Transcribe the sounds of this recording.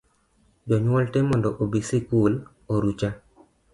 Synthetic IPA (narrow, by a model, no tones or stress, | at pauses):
d͡ʒɔɲwɔltemɔndɔʔobisikul | oɾut͡ʃa